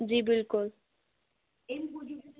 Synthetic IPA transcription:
d͡ʑibilkul

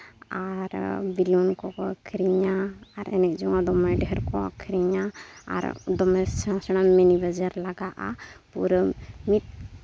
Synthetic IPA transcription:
aɾbilunkɔkɔkʰɾiɲaːɾɛ̰nɛk̚d͡ʒɔŋãd̪ɔmɛɖɛɦɛɾkɔa̰kʰɾiɲaa̰ɾd̪ɔmɛsãsəɽ̃amɛnibəd͡ʒaɾlaɡaʔa̰pṵɾmit̪̚

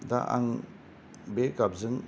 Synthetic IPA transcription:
da̰ʔa̰ŋ | bekap̚zɯŋ

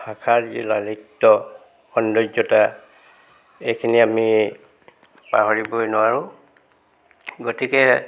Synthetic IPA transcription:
hakʰaɹd͡ʒilalitːɔ | xɔndɔɔta | ejkʰiniami | pa̰ɦoɹibojnʊwaɹʊ̃ | ɡotikɛ

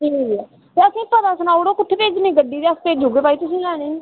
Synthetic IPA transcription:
iniːɡiaː | t̪eəsĩːpəd̪aːsənaːoːɽoːkʊʈʰːepeːd͡ʒnĩːɡəɖiːd̪eəspeːd͡ʒoːɡeːpaːiːt̪ʊs̬ĩːlɛːɽ̃eːni

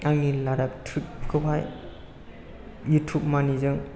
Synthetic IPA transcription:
aŋilaɾap̚tʰɾik̚kʰɯpʰaj | jutʰup̚manizɯŋ

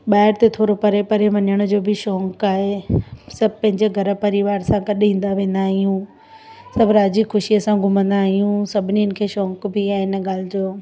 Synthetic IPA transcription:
ɓaːɦɪɾt̪et̪ʰoːɾopɐɾepɐɾeʋɐnjəɽ̃ʊ̆d͡ʑoːbʱɪʃɔ̃ːŋkaːɦesɐbʱpɐ̃ɦɪ̃ɲd͡ʑeɡʱɐɾə̆pɐɾɪʋaːɾsãɡɐɗĩːn̆d̪aʋẽːnd̪aːɦijũ | sɐbʱɾaːd͡ʑixʊʃijəsãɡʊmə̃nd̪aːɦijũsɐbʱɪniɪn̆kʰeːʃɔ̃ːŋkbʱiaːɦeɪnəɠaːl̤ɪd͡ʑoː

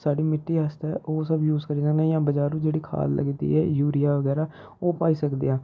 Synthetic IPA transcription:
saːɖiːmɪʈːiːɦəst̪ɛːʔoːsəbjuːzkəɾiːsəknãːjãːbəd͡ʒaːɾũːd͡ʒeːɽiːkʰa̰ːllə̰ɡid̪ḭːɛːjuːɾɪjaːʋəɡɛːɾaː | oːpaːiːsəkd̪eːãː

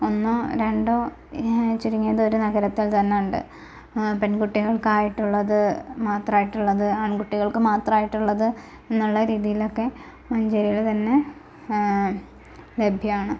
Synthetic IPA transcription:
onːoɾe̞ɳɖoː | t͡ɕːiɾuŋːijɐðo̞ɾunɐɣɐɾɐt̪ːilt̪ɐnːejuɳɖɨ̰ | pe̞nkuʈːiɣɐɭkaːjiʈːuɭːɐðɨmaːt̪raːjiʈːuɭːɐðɨaːɳkuʈːiɣɐɭkɨmaːt̪rɐaːjiʈːuɭːɐðɨ | enːuɭːɐɾiːðijilo̞kːe̞ | mɐɲd͡ʑɐɾijiɭt̪ɐnːe̞ | le̞bʱjɐaːɳɨ

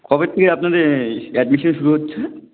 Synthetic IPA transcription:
kʰɔbeɾt̪ʰekeapnad̪eɾɛɖmiʃonʃuɾuɦotːɕʰe

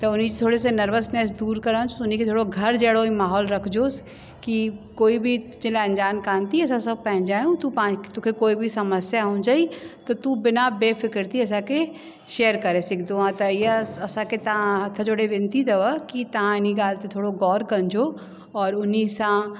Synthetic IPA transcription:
t̪ɐʊnid͡ʒt̪ʰoːɽesenɐɾʋəsnɛːsd̪uːɾkəɾãt͡ʃʰuʊniket̪ʰoːɽoɡʱɐɾd͡ʒɛːɽoimaːɦɔːlɾɐkʰd͡ʒoːs | kikoːibʱit̪ʊt͡ʃeleɐ̃nd͡ʒaːnkãːnt̪iɛsãsɐb̚pɛɦɪ̃nd͡ʒaːjũt̪upãːt̪ʊkʰekoːibʱisɐməsjaɦõːd͡ʒaːit̪ot̪ubɪnabeːpʰɪkɪɾt̪iɛs̬ake | ʃeːəɾkɐɾesɪkʰd̪oãt̪ɐjeɐsãket̪ɐãɦɐt̪ʰːãd͡ʒoːɽeʋɪ̃nt̪id̪ɐʋəkit̪ɐãɪniɡaːlt̪et̪ʰoːɽoɡɔːɾkɐ̃nd͡ʒoː | ɔːɾʊnisã

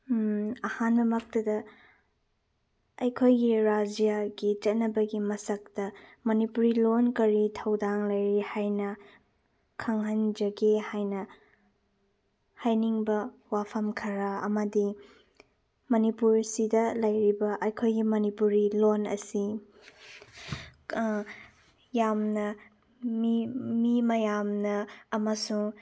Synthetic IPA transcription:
ɐhanbɐmɐk̚tɐdɐ | ɐjkʰojɡiɾad͡ʒijaɡit͡ʃɐt̚nɐbɐɡimɐsɐk̚tɐmɐnipuɾilonkɐɾitʰɐwdaŋlɐjɾihajnɐ | kʰɐŋɦɐnd͡ʒɐɡehajnɐ | hajniŋbɐwapʰɐmkʰɐɾɐɐ̰mɐdi | mɐnipuɾsidɐlɐjɾibɐʔɐjkʰojɡimɐnipuɾilonɐ̰si | jamnɐ | mmimɐjamnɐːmɐsuŋ

